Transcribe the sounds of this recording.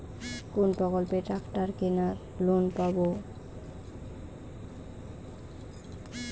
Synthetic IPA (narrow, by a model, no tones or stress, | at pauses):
kunpɔkɔlpeʈɹakʰʈaɹkena | lonpabo